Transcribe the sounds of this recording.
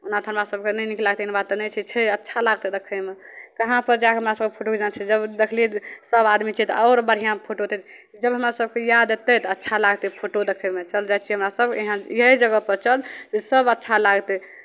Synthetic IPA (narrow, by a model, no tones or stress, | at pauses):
unad̪ʰʱənmasəb̚kenɛniklaɡt̪einbat̪nɛt͡ʃʰit͡ʃʰɛətːʃʰalaɡt̪ɛd̪ekʰəme | kəɦãpəɾd͡ʒaakɦəmɾasəbkepʰoʈoked͡ʒant͡ʃʰid͡ʒəbd̪ekʰliesəbad̪mit͡ʃʰit̪ɔʊɾbəɾ̤ijãpʰoʈot̪ɛ | d͡ʒəbɦəmɾasəb̚kejad̪et̪ət̪ɔətːʃʰalaɡt̪ɛpʰoʈod̪ekʰəmet͡ʃəld͡ʒajt͡ʃʰiɦəmɾasəbkeɦãjəɦid͡ʒəɡəpəɾt͡ʃəlsesəbətːʃʰalaɡt̪ɛ